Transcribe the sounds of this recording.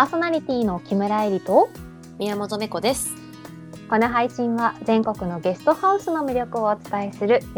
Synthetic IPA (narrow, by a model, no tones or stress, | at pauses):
paːso̞naɾʲit̪ʲiːno̞kʲimɯ̟ɾaeɾʲit̪o̞ | mʲiamozomeko̞d̪e̞sɨ̥ | ko̞no̞ɦaiɕĩɰ̃βazẽ̞ŋko̞kɯ̟no̞ɡe̞sɨ̥t̪o̞haɯ̟sɨno̞mʲiɾʲo̞kɯ̟o̞ːt͡sɨ̥t̪aesɨɾɯ̟